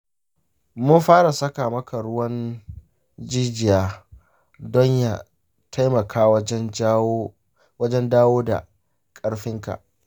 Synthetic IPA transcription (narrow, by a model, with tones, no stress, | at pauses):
mʊ˦nɸaː˦ɽa˨sɐ˦kaː˨mɐ˦ka˨ɽʊ˦wɐ˦n | d͡ʒiː˦d͡ʒɪ˨jaː˦ | dɔ˦ɲja˨ | tʰa˦jmɐ˨kʰaː˦wɐ˦n˦ | wɐ˦d͡ʒɛ˦ndaː˦woː˦da̰˨ | kʼɐ˦ɽɸɪ˦ŋka̰˨ʔ